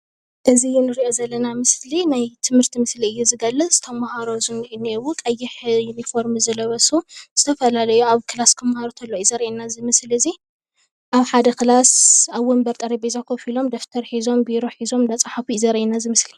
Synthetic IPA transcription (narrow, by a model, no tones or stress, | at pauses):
ʔɨzijunɨɾiʔo̞zɐlːɐnamɨslinajt̪ʰɨmhɨɾt̪ʰimɨsliɨjːuzɨɡɐlːɨt͡sʼzɨ̥t̪ʰɐmːahaɾozɨnʔɨnewukʼɐjːɪħjunifo̞ɾmzɐlɐβɐsuz̥ɨt̪ʰɐfɐlalɐjuaβkʰɨlaskʰɨmːahaɾot̪ʰɐlːoizɐɾɐʔinazɨmɨslɨzi | ʔaβħad̪ɐkɨlasaβwɔmbɐɾt̪ʼɐɾibizakʰofilo̞md̪ɐft̪ʰɐɾħizo̞mbiɾoħizo̞mnɐt͡sʼaħafuizɐɾɐʔinazɨmɨsli